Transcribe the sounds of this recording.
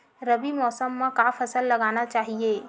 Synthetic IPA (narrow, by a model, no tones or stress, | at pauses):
ɾəbimɔːsəmːãkaːfʰɐsəlːɐɡaːnat͡ʃaːɦieː